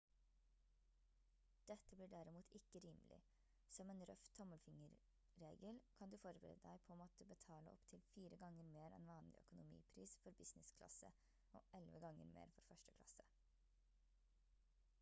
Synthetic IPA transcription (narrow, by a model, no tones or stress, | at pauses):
d̪̥ɛt̪ːəbliːɖæɾɪmuːt̪ʰɪkːəɾiːmlʔɪ̰ | sɔmeːnɾœ̰ft̪ʰːɔməlfɪŋəɾ | ɾeːɡəlkʰɑnd̪ʉːfɔɾbəɾḛːd̪əd̪æɪpʰoːmoːt̪əbət̪ʰɑːlə̰ʔɔ̰pt̪ʰɪlfiːɾəɡɑŋəɾmeːɾɛ̰nʋɑːnlɪ̰ʔœ̰kʊnʊmḭːpʰɾḭːsfɔɾbɪsnɪskʰlɑ̰sə̰ | ʔɔ̰ːʔɛlʋəɡɑŋːə̰ɾmḛːɾfɔɾfœʂʈə̥kʰlɑ̰sə